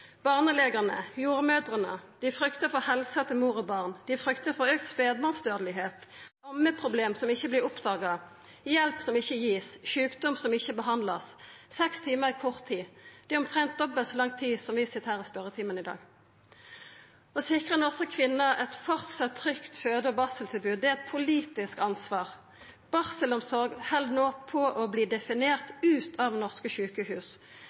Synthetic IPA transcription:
b̥ɑːʁnəleːɡəʁnəjuːʁmød̪ʁənə̰d̪̥ɪfɾʏkt̪əfɔhɛlsət̪əmuːʁɔbɑːʁnd̪̥ɪfʁʏkt̪əfɔʁøːk̚t̪speːd̪bɑʁnsd̪øːʁd̪əlɪɦeːt̪ɑmːəpʰʁʊbleːmsɔmɪçːəblɪʁɔpd̪ɑːɡɑ | jɛlpsɔmɪçːəjiːsçʉːkd̪ɔmsɔmɪçːəbəɦɑnd̪lɑssɛkst̪ʰiːməʁɪkʰɔʁt̪ʰːiːd̪̥ɛɔmt̪ʰʁɛnt̪̚d̪ɔbːəsɔlɑŋt̪ʰːiːsɔmʋɪsɪt̪ːhæːʁɔspœʁət̪ʰiːmənɪd̪ɑ̰ːɡ | ɔsɪkʁənɔʁsəkʰʋɪnːəɛt̪fɔʁt̪sɑt̪ʰːʁʏkt̪føːd̪əɔbɑʁsəlt̪ʰɪlbʉːd̪̚d̪ɛæɛt̪̚pʰʊliːt̪ɪskɑnsʋɑːʁ | b̥ɑʁsəlɔmsɔʁɡhɛld̪noːpʰɔʔɔbliːd̪ɛfɪneːʁt̪ʉːt̪ʰɑʋnɔʁskəçʉːkəhʉːs

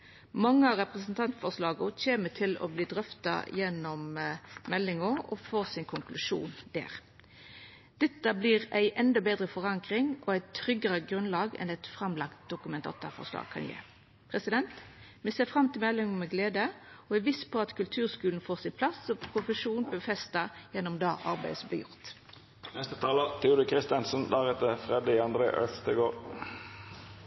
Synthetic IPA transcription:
mɑŋːəɑʁɛpʁɛsnt̪ʰɑnt̪fɔʁslɑːɡʊçeːmət̪ʰɪlɔ̰bliːd̪ʁœft̪ɑ̰jɛnːɔmmɛlːɪŋɔɔ̰foːsɪnkʰʊŋkʰlʉʂṵːnd̪̥æ̰ːʁ | d̪̥ɛt̪ːɑbliːʁæɪʔɛnd̪ɔbeːd̪ʁəfɔʁɑŋkʁɪŋʔɔæɪt̪ʰɾʏɡəʁəɡɾʉnlɑːɡɛ̰nɛt̪fʁɑmlɑkt̪̚d̪̥ʊkʉmɛnt̪ʰɑ̰ːt̪ɑ̰fɔ̰ʁʂlɑ̰ːɡ̚kʰɑ̰njæ̰ | pʰʁɛsɪd̪ɛnt̪mɛseːfʁɑmt̪ʰɪlmɛlɛŋmɛɡleːd̪əoæʋɪspʰɔɑt̪kʰʉlt̪ʰʉːʁskʉːlnfoːʁsɪnpʰlɑsɔpʰʁʊfəʂuːnb̪ɛːfɛst̪ɑjɛnːɔmd̪ɑːʔɑʁbæɪsblɛ̰jʊ̰ʁt̪ | nɛst̪ət̪ʰɑːlət̪ʰuːd̪ʉkʰʁɪst̪ɪɑnsənd̪æʁɛt̪əfʁɛd̪ɪɑnd̪ʁḛːʔœst̪əɡoːɾ

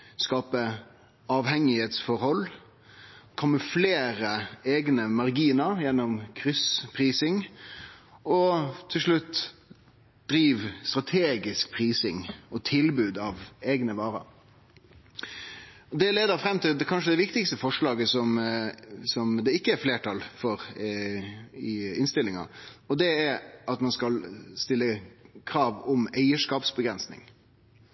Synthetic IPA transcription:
skɑːpə | ɑːʋhɛŋɪheːt̪sfɔɾhɔl | kʰɔmːəfleːɾəeːɡnəmɑʁɡiːnəɾjɛnːɔmkʰɾʏspʰɾiːsɪŋ | ɔt̪ʰːɪlʂɭʉt̪ː | d̪̥ɾiːʋst̪ɾɑt̪ʰeːɡɪsk̚pʰɾiːsɪŋɔt̪ʰɪlbʉːd̪ɑʋeːɡnəʋɑːɾə̰ɾ | ɔd̪ɛleːd̪əɾfɾɛmːt̪ʰɪld̪ɛkʰɑnʂəd̪ɛʋɪkt̪ɪkst̪əfɔʂɭɑːɡəsɔm | sɔmd̪ɛɪkːəæɾfleːʈʰɑlfɔɾ | ɪɪnst̪ɪlːɪŋɑ̰ɔd̪ɛæɾʔɑt̪mɑnskɑlst̪ɪlːəkʰɾɑːʋɔmæɪəʂkɑːpsbəɡɾɛnsnɪ̰ŋ

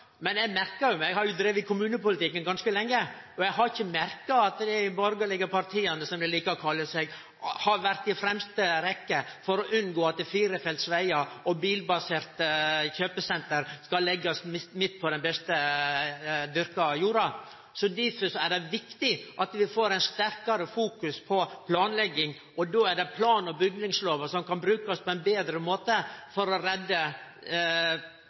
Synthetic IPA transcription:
mɛnjɛmæɾkəɾjʊmæɪɡhɑɾjʊd̪ɾeːʋəɪkʰʊmʉːnəpʊlət̪ɪkːənɡɑnskəlɛŋːə | ɔjɛɡɦɑɾɪçːəmæɾkɑɑt̪d̪ɛbɔɾɡəlɪɡəpɑɾt̪ʰiːɑnəsɔmd̪ɛliːkəɔkʰɑlːəsɛɡ | hɑɾʋæɾt̪ɪfɾɛmst̪əɾɛkːəfɔɾɔʔʉnɡoːɑt̪̚d̪ɛfiːɾəfɛlsʋæɪɑɔbiːlbɑseːɾt̪əçøːpəsɛnt̪əɾskɑlːɛɡːəɔsmɪmɪt̪ːpʰɔd̪ɛnbɛst̪ə | d̪ʏɾkɑjuːɾɑ | sɔd̪ifəsɔæɖɛʋɪkt̪ɪʔɑt̪ʋɪfoːɾæɪnst̪æɾkɑɾəfuːkʉspʰɔpʰlɑːnlɛɡːɪŋ | ʔɔd̪oːæɖɛpʰlɑːnɔbʏɡnɪŋsloːʋəsɔmkɑnbɾʉːkɑɔspʰɔɛɪnbeːd̪ɾəmoːt̪əfɔɾɔɾɛd̪ːə

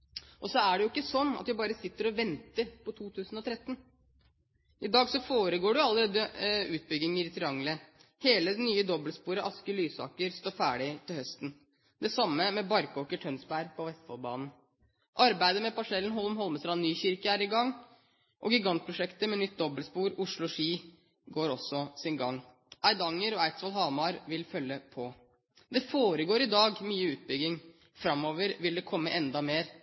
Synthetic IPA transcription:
ʔɔsɔæɖɛjʊɪkːəsɔnːɑ̰t̪ʋɪbɑːɾəsɪt̪ːəɾɔʋɛnt̪əɾpʰɔt̪ʰuːt̪ʰʉːsn̩ɔt̪ʰɾɛt̪ːn | ʔɪd̪ɑːɡsɔfoːɾəɡoːɖʉʊɑlːəɾeːd̪ːəʉːt̪̚bʏɡ̪ːɪŋəɾɪt̪ʰɪɑŋləheːləd̪ɛnyːəd̪ɔbəlspuːɾəʔɑskəlyːsɑ̰ːkəɾst̪oːfæːɖɪt̪ʰɪlhœst̪n̩ | d̪ɛsɑmːəmɛbɑɾkoːkəʈʰœnsbæɾpʰɔʋɛst̪fɔlbɑ̰ːnn̩ | ʔɑɾbæɪd̪əmɛpɑʂɛlnɦɔlmɦɔlməsɾɑnnyːçɪɾkəæːɾɪɡɑŋ | ʔɔɡɪɡɑnt̪̚pʰɾʊʂɛkt̪əmɛnʏt̪̚d̪ɔbəlspuːɾʊʂɭʊʂiː | ɡoːɾɔsːɔsɪnɡɑŋː | æɪd̪ɑŋːəɾɔæɪt̪sʋɑlɦɑːʋmɑɾʋɪlfœlːəpʰɔ | d̪ɛfoːɾəɡoːɾɪd̪ɑːɡmyːəʉːt̪̚bʏɡɪŋ | fɾɑmːoːʋəɾʋɪld̪ɛkʰɔmːəʔɛnd̪ɑmeːɾ

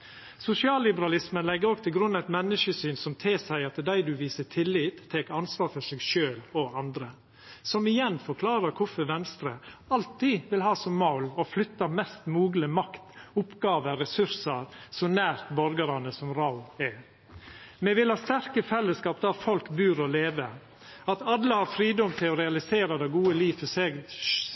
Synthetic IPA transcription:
sʊsɪɑːlːɪbəɾɑlɪsmənlɛɡːəɾɔɡ̚t̪ʰɪlɡɾʉnːɑɛt̪mɛnːəʂəsyːnsɔmt̪ʰeːsæɪɑt̪d̪æɪd̪ʉʋiːsət̪ʰɪlːiːt̪ʰːeːkɑnsʋɑːɾfɔʂɛɡʃøːlɔɑnd̪ɾə | sɔmɪjɛnːfɔɾkʰlɑːɾəɾkʰʊfəʋɛnst̪ɾəɑlt̪iːʋɪlɦɑːsɔmːɑʊlɔflʏt̪ːɑmɛst̪muːɡləmɑkt̪ʊpɡɑːʋəɾɛsʉɾsəɾsɔnæːɾt̪bɔɾɡəɾɑnəsɔmɾaʊɛ | mɛʋɪlhɑːst̪æɾkəfɛlːəskɑːp̚d̪æɾfɔlkbʉːɾɔleːʋə | ɑt̪ɑd̪ːəhɑɾfɾiːd̪ɔmt̪ʰɪɔɾɛɑlɪseːɾɑd̪ɛɡuːəliːfɔsɛ

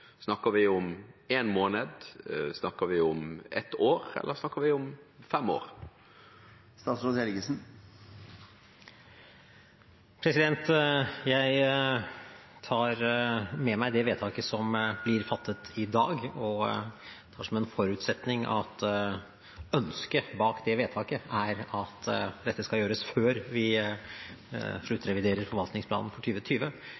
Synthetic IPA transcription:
snɑkːəɾʋɪʊmeːnmoːnəd̪snɑkəʋɪʊmɛ̰t̪oːʁɛ̰lʔəɾsnɑkːəɾʋɪʊmfɛmo̰ːʁ | st̪ɑːt̪sɔelɡəsn̩ | pʰɾɛsɪd̪ɛnt̪jæɪ | ɑːɾmɛmæɪd̪ɛʋeːt̪ʰɑːkəsɔmblɪɾfɑt̪ʰːət̪ʰɪd̪ɑːɡɔ | ɛt̪ʰɑːʂɔmɛnfɔɾʉːt̪sɛt̪nɪŋʔɑ̰t̪ | œnskəbɑːkd̪ɛʋeːt̪ʰɑːkəæɾɑt̪d̪ɛt̪ːəskɑjøːɾəsføːɾʋɪ | ʂɭʉt̪ːɾɛʋɪd̪eːɾəɾfɔɾʋɑlt̪nɪŋspʰlɑ̰ːnn̩fɔʈʰyːʋət̪ʰyːʋə

